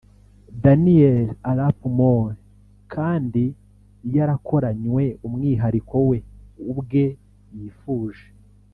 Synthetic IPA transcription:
danielalapumon | kʰaːndi | jaɾakʰo̞ɾaɲwe̞umŋiːɦaɾiko̞we̞ubɡe̞ | jiːfuːʒe

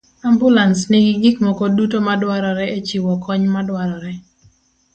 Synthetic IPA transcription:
ambulansnɪɡɪɡikmɔkɔdutomadwaɾɔɾɛet͡ʃiwɔkʰɔɲmadwaɾɔɾɛ

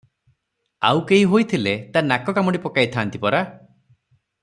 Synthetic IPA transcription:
a̰wkeɦiɦojt̪ʰilet̪anakɔkamɔɽipɔkajt̪ʰant̪ipɔɾa

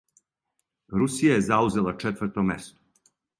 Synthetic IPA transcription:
ɾusijajezauze̞lˠat͡ʂet̪ʋɾt̪omḛst̪o̥

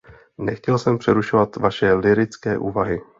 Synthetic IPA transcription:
nɛxcɛlsɛmpr̝̥ɛɾuʃovat̪vaʃɛlɪɾɪt͡skɛːʔuːvaɦɪ

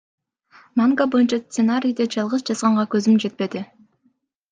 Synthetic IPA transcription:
maŋɡabo̞junt͡ʃɑst̪senaɾʲijd̪ed͡ʒɑlˠʁɯzd͡ʒɑzʁɑɴʁɑkø̞zymd͡ʒe̞t̪̚pe̞d̪ɪ

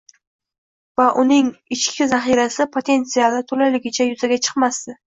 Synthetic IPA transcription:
vaʔʊnɪŋɪt͡ʃkʲʰɪzaχiɾasɪpʰot̪ʰe̞nt̪sialɪt̪ʰɵlajlɪɡʲɪt͡ʃʰajʊzaɡʲat͡ʃʰɨ̥qmast̪ɪ

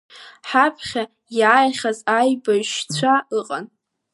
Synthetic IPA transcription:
ħapʰχʲa | jaːjχʲazajbaʃt͡sʷʰaɨqʼa̰n

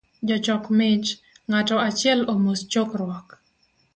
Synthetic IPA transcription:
d͡ʒɔt͡ʃɔkmɪt͡ʃ | ŋatɔat͡ʃɪɛlomost͡ʃokɾwɔk

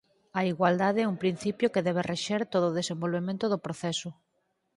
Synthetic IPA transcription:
ɐiɣwald̪aðeɛuŋpɾin̟θipjokeðɛβ̞ereʃeɾt̪oðoːð̞esembolβemẽnt̪ʊðopɾoθɛsʊ

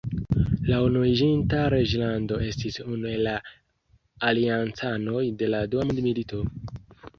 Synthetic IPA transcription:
launuid͡ʒintaɾe̞d͡ʒlando̞e̞stisunue̞laː | liant͡sano̞jde̞laduamudmilito̞

